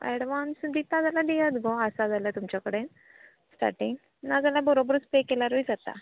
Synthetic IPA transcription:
ɛ̰ɽʋansd̪it̪ãd͡zalaɖijət̪ɡoəsad͡zaljat̪umt͡ɕakəɽen | sʈa̰ʈiŋɡ | nad͡zalabəɾobɾut͡spekelaɾujd͡zat̪a̰

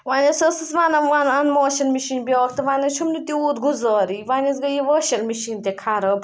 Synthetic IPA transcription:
ʋaːnʲɐsɐsɨsʋanɐanɐnmɔːʃɐlmiʃiːnbiɔːk̚t̪ɐʋaːnɐt͡ʃʰumnit̪iuːt̪ɡuzɔːɾiːʋaːnʲɐsɡɐjiʋɐʃɐlmiʃiːnt̪ekʰɐɾɐb

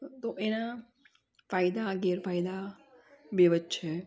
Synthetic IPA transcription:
t̪oʔena | faːjd̪aɡeɾfaːjd̪a | beʋətt͡ʃʰe

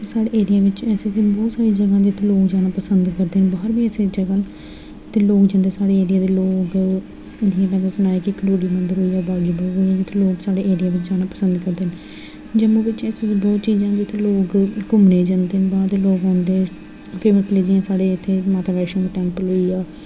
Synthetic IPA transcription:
t̪eːsaːɽeːeːɾɪjaːʋɪt͡ʃɛːseːsiːbɔːt̪saːɾiːd͡ʒəɡãːd͡ʒɪt̪ʰːeːloːkd͡ʒaːnaːpəsənd̪kəɾd̪eːnbaːɾbiːɛːseːd͡ʒəɡaː | t̪eːloːkd͡ʒãːnd̪eːsaːɽeːeːɾɪjaːd̪eːloːk | d͡ʒɪãːpɛ̃ːasənaːeːkikəɽoːɽiːmənd̪əɾɦoːiːaːbaːɡiːbɔːt̪ɦoːiaːd͡ʒɪt̪ʰːeːloːksaːɖeːʔeːɾɪjaːʋɪt͡ʃd͡ʒaːnaːpəsənd̪kəɾd̪eːn | d͡ʒəmõːʋɪt͡ʃɛsbɔːt̪t͡ʃiːzãːd͡ʒɪt̪ʰeːloːkkʊmneːd͡ʒãːnd̪eːnbaːɾd̪eːloːɡɦɔ̃ːnd̪eː | pʰeːməkleːd͡ʒiãːsaːɽeːɪt̪ʰːeːmaːt̪aːʋɛːʃə̃ːeʈɛ̃ːmploːiːaː

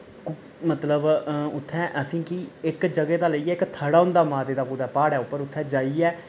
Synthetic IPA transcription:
mət̪ləbʊt̪ʰːɛ̃ːʔəsĩːkɪɪkd͡ʒəɡeːd̪aːləiːɛːɪkt̪ʰəɽaːʊ̃nd̪aːmaːd̪eːd̪aːpuːd̪aːpaːɽɛːʊpːəɾʊt̪ʰːɛ̃ːd͡ʒaːiːɛː

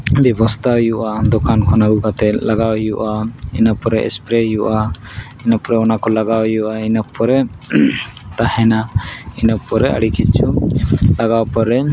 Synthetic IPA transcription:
bɛbɔst̪ʰajuʔad̪ɔkankʰɔnaɡukat̪ɛlaɡawijuʔaḭnapɔɾɛʔɛ̰spɾɛɦjuʔa | inapɔɾɛɔnakɔlaɡawijuʔainapɔɾɛ | t̪ahɛnainapɔɾɛə̰ɽikʰit͡ʃulaɡawpɔɾɛ

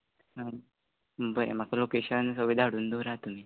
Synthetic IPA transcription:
ɦã | məbəḛmakalokeɕənsəʋid̪ʱaɽuːnd̪oɾat̪um̤iː

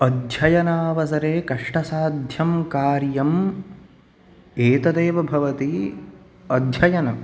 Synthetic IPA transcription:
ɐd̪ʱjɐjɐnaːʋɐsɐɾeːkɐʂʈɐsaːd̪ʱjɐmkaːɾjɐm | eːt̪ɐd̪eːʋɐbʱɐʋɐt̪i | ɐd̪ʱjɐjɐnɐm

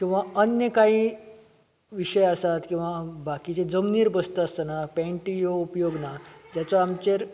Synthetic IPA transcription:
kĩw̃ʋaənjəkaɦi | ʋiɕəjasat̪kĩw̃ʋabakit͡ɕed͡zəmniːɾbəst̪əəst̪ənapɛ̃ɳʈijoupjoɡnad͡ʑjat͡sɔamt͡ɕeɾ

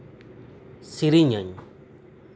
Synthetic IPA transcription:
sʰik̚riɲəɲ

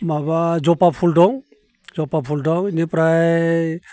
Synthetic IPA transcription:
mabad͡ʒɔpapʰuldɔŋ | zɔpapʰuldɔŋinipɾaj

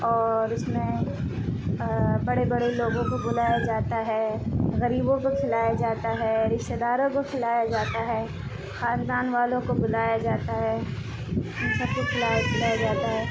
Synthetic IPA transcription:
ɔːɾɪsmẽ | bɐɽebɐɽeloːɡõkobʊlaːjad͡ʒaːt̪aɦɛɣɐɾiːbõkokʰɪlaːjad͡ʒaːt̪aɦɛɾɪʃt̪ed̪aːɾõkokʰɪlaːjad͡ʒaːt̪aɦɛː | xãːnd̪aːnʋaːlõkobʊlaːjad͡ʒaːt̪aɦɛː | ʊnsɐb̚kokʰɪlaːjkɪlaːjad͡ʒaːt̪aɦɛː

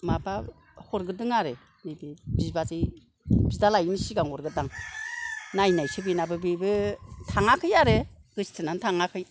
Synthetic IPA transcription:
maba | hɔɾɡɯdɯŋaɾe | bebibibazɯj | bidalajnisiɡaŋɔɾɡɯdaŋ | najnajsɯbinabɯbibɯtʰaŋakʰɯjaɾɯ | ɡɯsi̥tʰɯnantʰaŋakʰɯj

